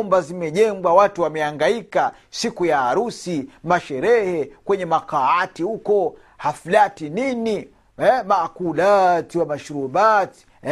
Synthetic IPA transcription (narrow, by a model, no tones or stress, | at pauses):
mbazimɛʄɛŋɡwawatuwamɛaŋɡaika | sikujaːɾusimaʃɛɾɛhɛkwɛɲɛmakaatihukɔ | hafulatinini | ɛmaːkulatiwamaʃuɾubati̥